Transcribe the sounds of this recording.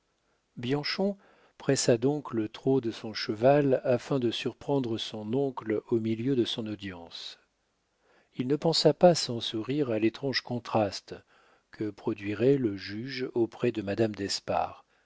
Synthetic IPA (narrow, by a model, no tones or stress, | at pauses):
bjɑ̃ʃɔ̃ | pχɛsad̪ɔ̃klət̪χod̪əsɔ̃ʃəvalafɛ̃d̪əsyʁpχɑ̃d̪ʁəsɔ̃nɔ̃klomiljød̪əsɔ̃nod̪jɑ̃s | ilnəpɑ̃sapasɑ̃suʁiʁalet̪χɑ̃ʒkɔ̃t̪χast̪ | kʰəpχɔd̪ɥiʁɛləʒyʒopχɛd̪əmad̪amd̪ɛspa̰ːʁ